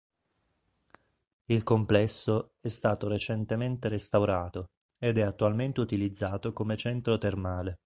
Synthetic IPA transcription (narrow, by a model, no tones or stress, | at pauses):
ilkomplɛsːo | ɛst̪aːt̪oɾet͡ʃent̪ement̪eɾest̪awɾaːt̪o | ed̪ɛat̪ːualment̪eut̪ilid̪zːaːt̪okomet͡ʃɛnt̪ɾot̪ermaːle